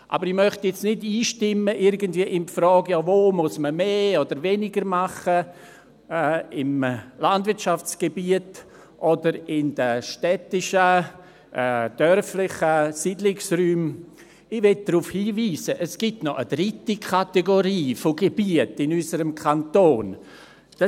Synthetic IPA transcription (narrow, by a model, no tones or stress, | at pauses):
ʔa̰bəɾɪmœχtjɛt͡snɪdiːʃtɪməʔɪɾɡəndv̥iəʔɪnfɾɔːɡ̥jɔːvoːmʊsməmeːɔdəɾvenɪɡəɾmaχə | ɛɪmlandvɪɾtʃaft͡sɡ̥ebiət | ʔɔdəɾɪnd̥əʃtɛtɪʃə | ʔɛd̥œrflɪχəsidlɪksryːm | ɪvɛt̚d̥ɾufhiːviːsəʔəsɡ̥ɪtnɔʔədɾɪtikʰateɡoɾiːfoɡeb̥iətɪnysəɾəmkʰantoːn | d̥a